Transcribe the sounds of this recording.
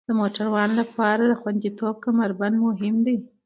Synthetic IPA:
d̪̥əmoʈaɾwɑnlapɑɾad̪əxwand̪it̪ob̚kamaɾband̪moɦɪmd̪aj

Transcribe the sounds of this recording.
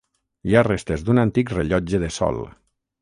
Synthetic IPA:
iarest̪ezd̪unant̪ikreʎɔd͡ʒəðesɔ̰lˠ

